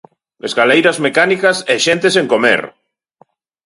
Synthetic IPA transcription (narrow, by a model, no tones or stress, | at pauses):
ezɣalejɾazmekanikaseʃent̪eseŋkomḛɾ